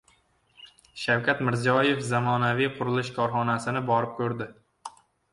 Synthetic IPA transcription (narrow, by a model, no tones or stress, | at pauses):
ʃawkʲat̪mɪɾzijɒje̞fzamɒnavijqʰʊɾɪlˠɪʃkʰɒɾχɒnasɪnɪbɒɾɪp̚kʲʰɵɾd̪ɪ